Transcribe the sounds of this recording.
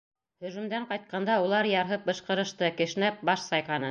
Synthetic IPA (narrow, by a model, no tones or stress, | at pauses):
hɵ̆ʒɵ̆md̪æɴqɑjt̪̚qɑnd̪ɑulˠɑɾjɑɾɦɤp̚bɤ̆ʃqɤ̆ɾɤ̆ʃt̪ɤkɘ̆ʃ̆næp̚bɑʃsɑjqɑnɤ